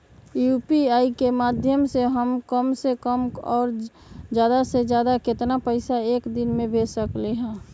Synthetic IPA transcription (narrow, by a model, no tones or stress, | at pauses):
juːpiaːikemaːd̪ʱjəmseɦəmkəmsekəmɔːɾ | d͡ʒjaːd̪ased͡ʒjaːd̪akɪt̪napəɪsaeːkd̪ɪnmẽbʱeːsəkleɦɛ̃ː